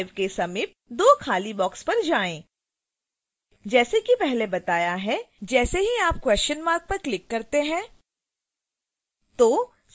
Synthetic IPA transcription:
ɪʋkesɐmiːp̚d̪oːkʰaːlibɔːkspɐɾd͡ʒaːẽː | d͡ʒɛːsekipɛɦlebɐt̪aːjaɦɛd͡ʒɛːseɦiaːp̚kwɛst͡ʃənmaːɾk̚pɐɾklɪkːɐɾt̪eɦɛ̃ː | t̪oː | s

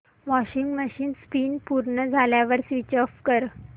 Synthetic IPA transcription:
ʋɔɕiŋɡməɕiːnspiːnpuɾɳəd͡zʱaljaʋəɾsʋit͡ɕəfkəɾ

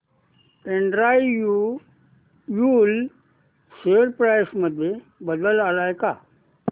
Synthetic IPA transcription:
eɳɖɾajju | jul | seəɾpɾajsməd̪ʱje | bəd̪əlalajka

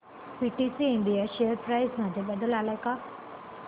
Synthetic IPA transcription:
piʈisiːɳɖijaɕejəɾpɾajzmad͡ʑʱebəd̪əlalajka

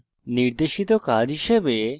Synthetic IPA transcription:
niɾd̪eʃit̪okad͡ʑɦiʃebe

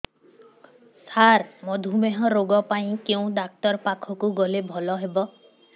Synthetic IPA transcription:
saɾmɔd̪ʱumeɦɔɾoɡɔpaĩkeũɖ̪ak̚t̪ɔɾpakʰɔkuɡɔlebʱɔlɔɦebɔ

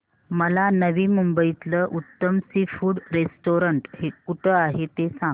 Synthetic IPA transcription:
məlanəʋiːmumbəit̪ləːʔut̪ːəmsifuːɽɾesʈoɾəɳʈhekuʈʰəaɦet̪esã

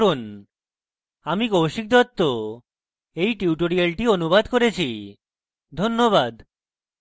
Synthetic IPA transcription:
ɾun | amikowʃik̚d̪ɔt̪ːo | ejʈiuʈoɾialʈionubad̪koɾet͡ɕʰi | d̪ʱonːoβad̪

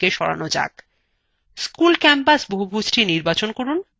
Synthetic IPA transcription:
eʃɔɾa̰nod͡ʑa̰ɡ | skulkɛmpasboɦubʱud͡ʑʈʰiniɾbat͡ɕonkoɾun

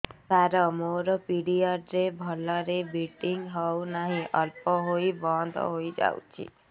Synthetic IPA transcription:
t̪aɾɔmoɾɔpiɽiɔɖɾebʱɔlɔɾebiʈiŋɡɦɔwnaɦĩʔɔlpɔɦojbɔnd̪ʱɔ̰ɦojd͡ʒa̰wt͡ʃʰḭ

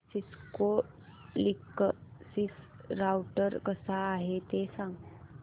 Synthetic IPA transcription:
sisko | likːəsis | ɾawʈəɾkəsaːɦet̪esãŋɡ

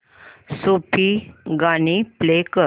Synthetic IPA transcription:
supʰiɡaniplekə

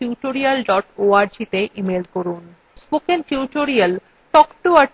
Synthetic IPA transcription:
uʈoɾialɖɔʈoaɾd͡ʑit̪eʔimelkoɾun | sbokentuʈoɾial | ʈɔkʈua

